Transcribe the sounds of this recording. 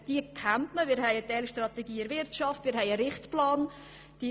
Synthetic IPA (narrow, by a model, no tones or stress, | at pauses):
d̥iəkʰamtməmɪːɾhɛɪət̪ɛlʃtrɑt̪ɛɡiːɪɾvɪrtʃɑftmɪːɾɦɛɪəɾɪχtplɑːn | d̥i